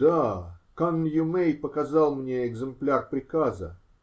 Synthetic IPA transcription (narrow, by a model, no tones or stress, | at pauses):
d̪akanːjʊmejpəkɐzɑlˠmnʲeɪɡzɨmplʲarpɾʲɪkazə̰